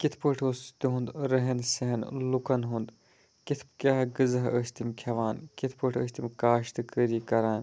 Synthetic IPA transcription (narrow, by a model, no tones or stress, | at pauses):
kit̪ʰpəʈʰost̪iɦũnd̪ɾɐɦensɐɦɐnlukɐnɦund̪ | kit̪ʰpkʲaːɦɡɨzɐɦəst̪imkʰɐʋaːnkit̪ʰpəʈʰə̰ːst̪imʲkaːʃt̪ɨkəɾiːkɐɾaːn